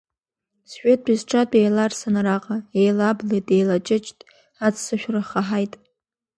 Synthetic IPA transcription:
sʃᶣetʼbizʈ͡ʂʰʼatʼejlarsanaɾaqʼaejlablejtʼejlat͡ʃʼɪt͡ʃʼtʼ | at͡sʰʼsɨʃᶣraχaħajtʼ

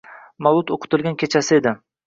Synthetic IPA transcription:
malˠʊt̪oqʰʊ̥t̪ɪlɡʲankʲʰe̞t͡ʃʰasɪe̞d̪ɪ

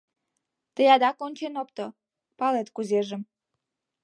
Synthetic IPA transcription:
t̪əjɑd̪ɑkonʲt͡ɕenopt̪o | pɑlet̪kuzeʒəm

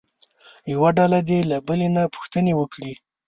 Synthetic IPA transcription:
jawaɖalad̪elabəlenapʊ̥xt̪ənewəkɽi

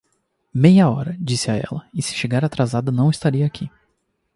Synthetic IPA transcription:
mejɐɔɾɐd͡ʒisɪaɛ̰lɐɪsɪ̥ʃeɡaɾat̪ɾazad̪ɐnɐ̃w̃ist̪aɾiɐakʰi

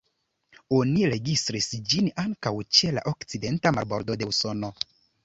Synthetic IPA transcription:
o̞niɾe̞ɡistɾisd͡ʒinaŋkawt͡ʃe̞la̰ʔokt͡side̞ntama̰ɾbo̞ɾdo̞de̞uso̞no̞

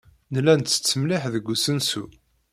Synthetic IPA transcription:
nlːænːə̥t͡sːəmlɪħðəɡʷːusənsṵ

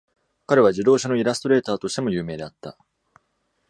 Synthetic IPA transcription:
kaɾe̞β̞aʑid̪o̞ːɕano̞iɾast̪o̞ɾe̞ːt̪aːt̪o̞ɕi̥t̪e̞mo̞jɯ̟ːme̞ːd̪e̞at̪ːa̰

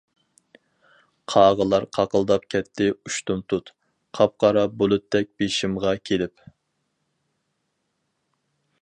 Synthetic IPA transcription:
qʰɑːʁəlˠɑɾqʰɑqəlˠd̪ɑp̚kʲʰɛt̪ʰːɪuʃt̪umt̪ʰut̪ | qʰɑp̚qɑɾɑbolˠut̪ːd̪ɛk̚ʲb̥eʃimʁɑkʲʰelɪp

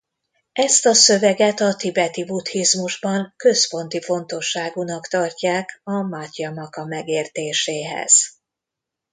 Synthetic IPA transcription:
ɛst̪ɒsø̞vɛɡɛt̪ɒt̪ibɛt̪ibut̪hizmuʒbɒŋkø̞spo̞nt̪ifo̞nt̪o̞ʃːaːɡunɒkt̪ɒrcaːkɒmaːc̪jɒmɒkɒmɛɡeːrt̪eːʃeːɦɛ̰z̥

